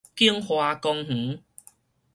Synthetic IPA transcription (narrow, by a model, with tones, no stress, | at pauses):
ki˦əŋhwa˧kɔ˧ŋh̩˨˦